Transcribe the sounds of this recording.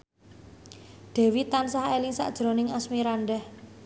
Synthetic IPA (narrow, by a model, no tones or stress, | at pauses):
ɖ̪̥ɛ̤wit̪ansahelɪŋsa̰ʔd̥ʒ̥ɾonɪŋasmiɾanɖɛh